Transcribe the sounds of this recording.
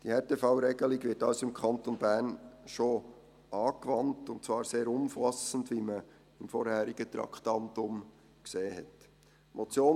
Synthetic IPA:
d̥ihɛːteːfɑwɾɛɡəliɡʋɪtɑlsoɪmkʰɑntonbæːɾnʃo | ʔɑːkʋɑntʊntt͡svɑːɾseːɾʊmfɑsən̩dʋimə | ɪmfɔɾhæːɾiɡət̪ɾɑ̰kχtɑntʊm | kseːhɛ̰t | mʔot͡sjoː

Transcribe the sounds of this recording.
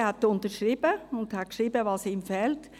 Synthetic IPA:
hɛtːʊntəɾʃɾiːbəʊnthæt̚kʃʁiːbəvɑːsiːmfɛːlt

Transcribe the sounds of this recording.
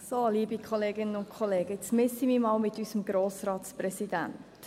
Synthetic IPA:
soːliːbikʰχɔleːɡɪnənʊnt̚kʰɔleːɡ̥əɪt͡smɪsimimɑːlmɪt̪ysəmɡɾoːsɾɑːt̪spɾɛsid̥æ̰nt

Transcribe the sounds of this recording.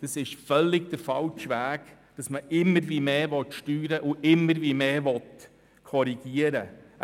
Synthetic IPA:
d̥ɑsɪʃfœlːɪɡd̥̪əfɑlt͡ʃʋæːɡ̥ | d̥ɑsməʔɪmːəɾʋiːmeːʋɔt̪ʃtyːɾəʔʊʔɪmːəɾʋiːmeːʋɔt̪ | kʰɔɾiɡ̥iəɾə

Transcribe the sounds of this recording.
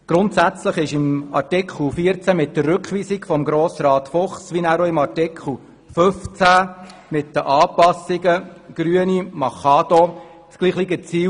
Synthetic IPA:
ɡ̥ɾʊntsæt͡sləχɪʃɪmɑ̰ɾtikʰχl̩fiːəɾt͡sæmɪt̚dərrʏkχʋiːsɪkfɔmɡɾoːsrɑːtfɔχsʋinæɾoɪmɑɾtikχl̩ | føft͡sæmɪtd̥əʔɑːpɑsɪɡəɡ̥ɾyənimɑχɑːd̪ɔ | t͡sɡliːχliɡət͡siː

